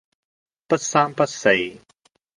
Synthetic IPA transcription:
pɐ˥t̚saː˥mpɐ˥t̚se˧j

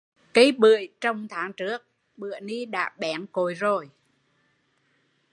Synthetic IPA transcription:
kə˨˦jɓɨ̰˧˨əjt͡ɕɔ˧wŋ͡mt̪ʰaː˨˦ŋt͡ɕɨ˦˥ək̚ | ɓɨ̰˧˨əni˧ɗa̰ː˧˥ɓɛ˨˦nko˨˦jzo˨˩j

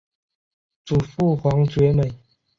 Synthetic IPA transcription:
t͡su˨˩fu˥˨hwa˨˦ŋt͡swe˨˦mə˨˩˨j

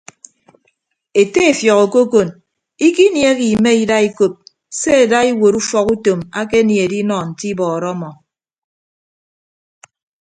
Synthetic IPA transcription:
e˨te˦e˨fjɔ˨ko˨ko˦ko˨n | i˦ki˦nje˦ki˨me˦i˦da˦i˦ko˨p̚ | se˦e˨da˦i˦wo˨ɾu˦fɔ˨ku˦to˨ma˦ke˦nje˨di˦nɔ˨n̩˨ti˦bɔː˨ɾɔ˦mɔ˨

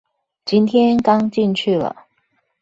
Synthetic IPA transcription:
t͡ɕi˥nt̪ʰjɛ˥nkɑ˥ŋt͡ɕi˥˧nt͡ɕʰy˥˩lə̰˩

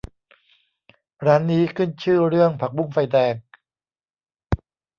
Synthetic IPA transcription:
ɾa˦˥nːiː˦˥kʰɯ˥˩nt͡ɕʰɯː˥˩ɾɯ˥˩əŋpʰa˨˩k̚bu˧˥˩mfa˧jdɛː˧k̚

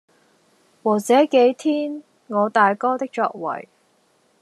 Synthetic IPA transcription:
waː˨˩t͡sɛː˨˥ke˨˥jt̪ʰiː˥n | ŋɔː˨˧t̪aː˨jkɔː˥t̪ɪ˥k̚t͡sɔ̰ː˧k̚wɐ̰˨˩j

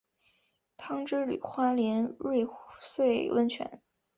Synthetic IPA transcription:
t̪ʰɑ˥ŋʈ͡ʂɻ̩˥ly̰˨˩xwa˥ljɛ˧˥nɻwe˥˧ɪswe˥˩ɪwə˥nt͡ɕʰɥɛ̰˧˥n

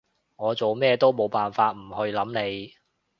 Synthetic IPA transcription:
ŋɔː˨˧t͡so˨wmɛː˥˧t̪o˥wmo˨˧wpaː˨nfaː˧t̚m̩˨˩hɵ˧jlɐ˨˥mne˨˧j

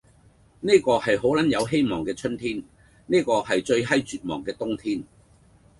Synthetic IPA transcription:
neː˥kɔː˧hɐ˨jɦo˨˥wlɐ˨˥njɐ˨˧wɦe˥jmɔː˨˩ŋkɛː˧t͡ʃʰɵ˥nt̪ʰiː˥n | neː˥kɔː˧hɐ˨jt͡ʃɵ˧ɥɦɐ˥jt͡ʃyː˨t̚mɔ̰ː˨˩ŋkɛː˧t̪ʊ˥ŋt̪ʰiː˥n

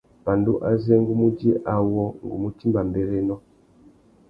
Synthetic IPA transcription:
ba˨ndu˦ʔa˦zɛ˦ŋɡu˦mu˦d͡ʒi˦ʔa˨wɔ˦ŋɡṵ˨mu˦ti˦mba˨mbɛ˨ɾɛ˦nɔ˦

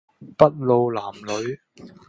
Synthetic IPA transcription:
pɐ˥t̚lo˨˧wlaː˨˩mlɵ˨˧ɥ

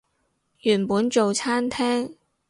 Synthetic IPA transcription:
jy˨˩npuː˨˥nt͡ʃo˨wt͡sʰaː˥nt̪ʰɛː˥ŋ

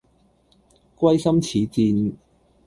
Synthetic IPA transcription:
kʷwɐ˥jsɐ˥mt͡sʰiː˨˦t͡siː˧n

